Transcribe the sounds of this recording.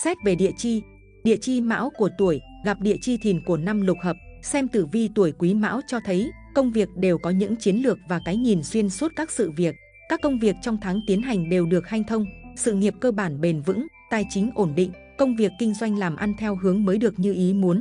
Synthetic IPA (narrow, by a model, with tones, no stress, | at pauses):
sɛ˦˥t̚ve˨˩ɗḭ˧˨ət͡ɕi˧ | ɗḭ˧˨t͡ɕi˧ma̰ː˧˥wku˧˩ət̪u˧˩əjɣa˨˩p̚ɗḭ˧˨ət͡ɕi˧t̪ʰi˨˩nku˧˩əna˧mlʊ˨˩k͡p̚həː˨˩p̚sɛ˧mt̪ɨ˧˩vi˧t̪u˧˩əjkwi˨˦ma̰ː˧˥wt͡ɕɔ˧t̪ʰə˨˦j | kə˧wŋ͡mvi˨˩ək̚ɗe˨˩wkɔ˨˦ɲɨ̰˧˥ŋt͡ɕi˨˦ənlɨ˨˩ək̚vaː˨˩kaː˨˦jŋi˨˩nswi˧ənswu˦˥t̚kaː˦˥k̚sɨ̰˧˨vi˨˩ək̚ | kaː˦˥kːə˧wŋ͡mvi˨˩ək̚t͡ɕɔ˧wŋ͡mt̪ʰaː˨˦ŋt̪i˨˦ənɦa˨˩jŋ̟ɗe˨˩wɗɨ˨˩ək̚ha˧jŋt̪ʰə˧wŋ͡msɨ̰˧˨ŋi˨˩əp̚kəː˧ɓaː˧˩nɓe˨˩nvɨ̰˧˥ŋt̪aː˧˩jt͡ɕï˨˦ŋ̟ʔo˧˩nɗḭ˧˨ŋ̟ | kə˧wŋ͡mvi˨˩əkːï˧ŋ̟zwa˧jŋ̟laː˨˩mʔa˧nt̪ʰɛ˧wɦɨ˨˦əŋməː˨˦jɗɨ˨˩ək̚ɲɨ˧ʔi˨˦mu˨˦ən